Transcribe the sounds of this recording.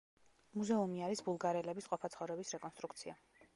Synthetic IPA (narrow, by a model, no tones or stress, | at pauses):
muzɛumiaɾisbulˠɡaɾɛlɛbisqʼɔpʰat̪sʰχɔvɾɛbisɾɛkʼɔnst̪ʼɾukʰt̪sʰia